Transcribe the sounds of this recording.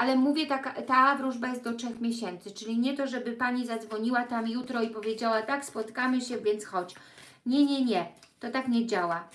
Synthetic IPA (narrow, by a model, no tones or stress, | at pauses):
ʔalɛmuvʲjɛt̪akat̪avɾuʐbajɛst̪d̪ɔtʂɛxmʲjeɕɛnt̪sɘt͡ʂɘlʲiɲɛt̪ɔʐɛbɘpaɲizad̪zvɔɲiwat̪amjut̪ɾɔipɔvʲjed͡ʑawat̪akspɔt̪kamɘɕɛvʲjɛnt̪sxɔt͡ɕ | ɲɛɲɛɲɛ | t̪ɔt̪akɲɛd͡ʑawa